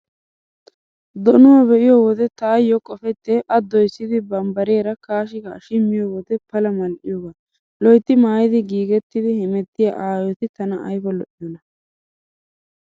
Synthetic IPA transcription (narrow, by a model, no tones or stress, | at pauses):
d̪ɔnʊwɐbɛʔɪjɔwɔd̪ɛt̪aːjːɔkʼɔfɛt̪ːɛʔɐd̪ːɔjsːɪd̪ɪbɐmbɐɾeːɾɐkaːʃɪɡɐːʃɪmːɪjɔwɔd̪ɛpɐlɐmɐlʔɪ̰jɔɡɐ | lɔjt̪ːɪmaːjɪd̪ɪɡiːɡɛt̪ːɪd̪ɪhɛmɛt̪ːɪjaʔaːjɔt̪ɪt̪ɐnɐʔɐ̰jfɔlɔʔɪjɔnɐ